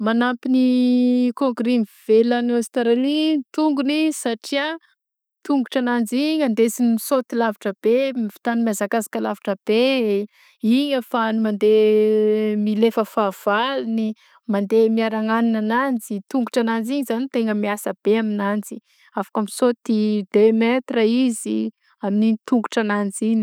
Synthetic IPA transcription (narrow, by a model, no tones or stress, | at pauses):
manampinikõŋɡɾimv̥elanost̪aɾalit̪uŋɡunisaʈ͡ʂia | t̪uŋɡuʈ͡ʂanand͡ziɲand̪esinimisot̪ilaviʈ͡ʂəb̥emifi̥t̪animiazakazḁkəlavaʈ͡ʂəb̥e | iɲəfanimand̪e | milefəfav̥alini | mand̪emiaɾaŋaninanand͡zit̪uŋɡuʈ͡ʂanand͡ziɲizanit̪eŋəmiasəb̥eaminand͡zi | afḁkəmisot̪id̪emet̪rəizi | aminit̪uŋɡuʈ͡ʂanand͡ziɲi